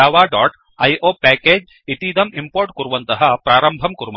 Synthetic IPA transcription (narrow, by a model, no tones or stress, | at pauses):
aːʋaːɖɔːʈ | ɐjʔoːpɛːkeːd͡ʒ | it̪iːd̪ɐmimpoːɾʈkuɾuʋɐnt̪ɐɦɐ̆pɾaːɾɐmbʱɐmkuɾuʋɐ